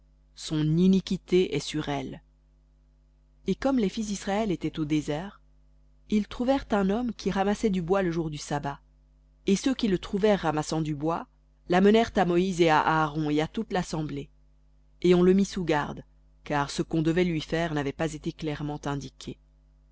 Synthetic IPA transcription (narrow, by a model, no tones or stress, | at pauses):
sɔ̃ninikʲit̪eʔɛsyʁɛl | ekɔmlɛfis̬d̪isχaɛlet̪ɛt̪od̪ezɛːʁ | ilt̪χuvɛʁt̪ɛ̃nɔmkʲʰiʁamasɛd̪ybwaləʒuʁd̪ysaba | esøkʲilət̪χuvɛʁːamasɑ̃d̪ybwa | lamənɛʁt̪amɔizea̰ʔaːʁɔ̃eat̪ut̪lasɑ̃ble | eɔ̃ləmisuɡaʁd̪ | kaʁsəkɔ̃d̪əvɛlɥifɛʁnavɛpazet̪eklɛʁmɑ̃t̪ɛ̃d̪ikʲʰe